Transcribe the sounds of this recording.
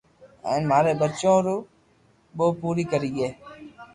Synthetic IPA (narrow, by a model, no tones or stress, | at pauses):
ə̰̃ːnmaːɾeːbətːt͡ʃõːɾuː | ɓoːpuːɾiːkəɾiːɡeː